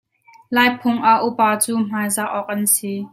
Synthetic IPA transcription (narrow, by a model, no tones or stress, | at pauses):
laːjpʰʊŋʔaʔupaːt͡suːm̥aːjzaʔʔɔk̚ʔɐnsiː